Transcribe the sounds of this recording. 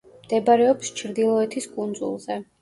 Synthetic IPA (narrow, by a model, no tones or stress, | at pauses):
md̪̥ɛbaɾɛɔpst͡ʃʰɾd̪ilˠɔɛt̪ʰiskʼund̪zṵlˠzɛ